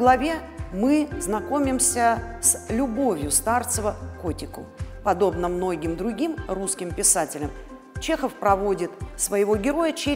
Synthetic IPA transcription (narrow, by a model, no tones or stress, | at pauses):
ɡlˠɐvʲe̞ | mɨznɐko̞mʲɪmsʲəslʲʊbo̞vʲjʊst̪art̪səvəko̞tʲɪkʊ̰pɐd̪o̞bnəmno̞ɡʲɪmd̪ɾʊɡʲimruskʲɪmpʲɪsatʲɪlʲəm | t͡ɕe̞xəfpɾɐvo̞dʲɪt̪svəjɪvo̞ɡʲɪɾo̞jət͡ɕe